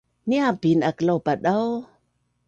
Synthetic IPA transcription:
niabinakəlawbaɗaw

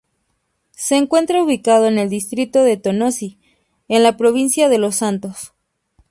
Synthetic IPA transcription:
se̞ːŋkwe̞nt̪ɾauβikað̞o̞ene̞ld̪ist̪ɾit̪o̞ðe̞t̪o̞no̞si | enlapɾo̞β̞insjaðe̞lo̞sːant̪o̞s

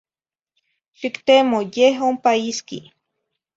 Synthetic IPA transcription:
ʃikt̪emojeɦompaiskḭ

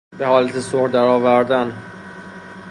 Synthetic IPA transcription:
be̞hɒːlæt̪ʰesohɾd̪æɾɒːvæɾd̪æn

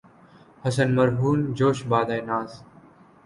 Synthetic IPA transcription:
hɐs̬ənmɐɾɦuːnd͡ʒoːʃbaːd̪aːjnaːz

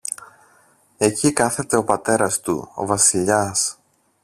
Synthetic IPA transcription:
e̞cikɐθe̞t̪e̞o̞pɐt̪e̞ɾɐst̪ṵo̞̰vɐsiʎɐs

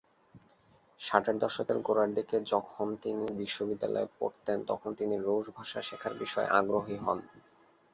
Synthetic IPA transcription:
ʃaʈʰeɾd̪ɔʃokeɾɡoɾaɾd̪iked͡ʑɔkʰont̪inibiʃːobid̪ːalɔ̰epo̰ɾt̪ent̪ɔkʰont̪iniɾoʃbʱaʃaʃekʰaɾbiʃɔḛʔaɡɾoɦiɦɔn

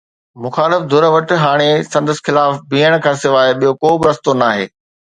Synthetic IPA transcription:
mʊxaːlɪfd̪ʱʊɾəʋəʈɦaːɽ̃esɐ̃nd̪əsxɪlaːfbiːəɽ̃kʰãːsɪʋaːeɓijokoːbɪɾɐst̪onaːɦḛː

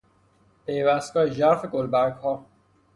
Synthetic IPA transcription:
pʰejvæst̪̚kɒːjed͡ʒæɾfeɡolbæɾɡhɒː

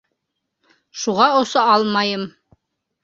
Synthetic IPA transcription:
ʃuʁɑŏsɤɑlˠmɑjɤm

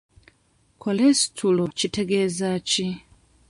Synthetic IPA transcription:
kʰolestʰulot͡ʃitʰeɡezat͡ʃi

